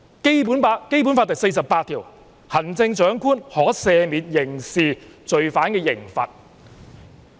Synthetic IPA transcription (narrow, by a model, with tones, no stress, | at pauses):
ke˥jp̬uː˨˥npaː˧ke˥jp̬u˨˥nfaː˧t̪ɐ˨kse˧jsɐ˨pːaː˧t̪ʰiː˨˩w | hɐ˨˩nt͡sɪ˧ŋt͡ʃœː˨˥ŋkʰuː˥nhɔː˨˥sɛː˨˧miː˨n̚jɪ˨˩ŋsiː˨t͡ʃɵ˨ɥfaː˨˥nkɛː˧jɪ˨˩ŋfɐ̰˨t̚